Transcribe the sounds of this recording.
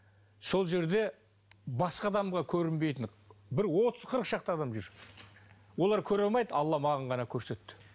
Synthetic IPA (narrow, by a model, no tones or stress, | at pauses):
so̞lˠʒe̞ɾd̪e̞ | bɑsqɑd̪ɑmʁɑkʲʰɵɾɪnbe̞jt̪ɪɴ | bɪɾwo̞t̪əz̥qʰəɾəqʃɑq̚t̪əɑd̪ɑmʒʏɾ | wo̞lˠɑɾkʲʰɵɾɑlˠmɑjd̪əɑlˠːɑmɑʁɑɴʁɑnɑkʲʰɵɾse̞t̪ːɪ̥